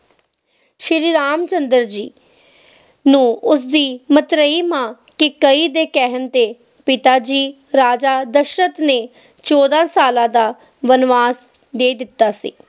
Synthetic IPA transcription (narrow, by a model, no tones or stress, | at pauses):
ʃɪɾiːɾaːmt͡ʃənd̪əɾd͡ʒiː | nũːʊs̬d̪iːmət̪ɾəiːmãː | kɪkəiːd̪eːkɛɦənt̪eː | pɪt̪aːd͡ʒiː | ɾaːd͡ʒaːd̪əʃɾət̪neː | t͡ʃoːd̪ãːsaːlãːd̪aː | ʋənʋaːs | d̪eːd̪ɪt̪ːaːsḭː